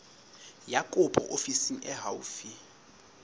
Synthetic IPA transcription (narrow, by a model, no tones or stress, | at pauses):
jakʼʊpʰʼɔ̰ʔofisiŋ̩ʔɛɦauːfi